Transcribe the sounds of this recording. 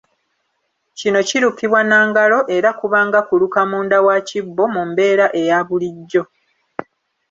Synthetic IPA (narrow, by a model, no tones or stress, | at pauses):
cino̞ciɾukiβwanaːŋɡalo̞ʔe̞ɾakuβaːŋɡakulukamuːndawacibːo̞mumbe̞ːɾaʔe̞jaːβuliɟːo̞